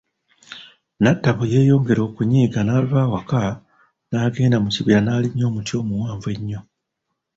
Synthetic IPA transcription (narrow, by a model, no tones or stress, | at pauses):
natːaβuje̞ːjo̞ːŋɡe̞ɾo̞ːkuɲiːɡanaːluβaːwaka | naːɡe̞ːndamuciβiɾanaːliɲːo̞ːmutjo̞ːmuwaːɱve̞ɲːo̞